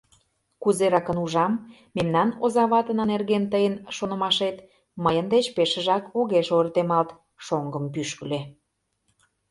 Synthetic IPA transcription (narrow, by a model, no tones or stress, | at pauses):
kuzeɾɑkə̆nuʒɑmː | memnɑnozɑβɑt̪ənə̆nerɣent̪əjənʃonə̆mɑʃet̪ | məjənd̪et͡ɕpeʃəʒɑkoɣeʃort̪emɑlt̪ | ʃoŋɡəmpyʃkəle